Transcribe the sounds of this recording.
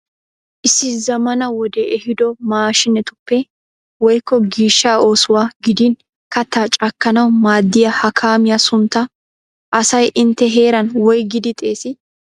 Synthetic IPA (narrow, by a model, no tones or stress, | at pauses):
ʔɪsːɪzɐmɐnɐwɔd̪ɛʔɛhɪd̪ɔmaːʃɪnɛt̪ʊpːɛ | wɔjkːɔɡiːʃːaːo̞ːsʊwaːɡɪd̪iːn | kɐt̪ːaːt͡ʃʼɐkːɐnɐwmaːd̪ːɪjɐhɐkʰaːmɪjasʊnt̪ːɐ | ʔɐsɐjʔɪnt̪ːɛɦeːɾɐnwɔjɡɪd̪ɪt̪ʼe̞ːsɪ